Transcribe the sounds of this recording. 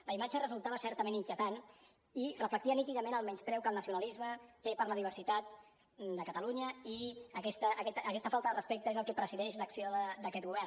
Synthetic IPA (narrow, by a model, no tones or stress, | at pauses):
ləimat͡ʃərəzulˠt̪aβəsɛɾt̪əmeniŋkjət̪an | irəflək̚t̪iənit̪iðəmenəlˠmɛnspɾɛwkəlˠnəsiunəlizmət̪epəɾləðiβəɾsit̪at̪̚ | d̪əkət̪əluɲəiəkɛst̪əʔːkɛt̪ːkɛst̪əfalˠt̪əðərəspek̚t̪əezəlˠkɛpɾəziðɛʃləksioðəd̪əkɛt̪̚ɣuβɛr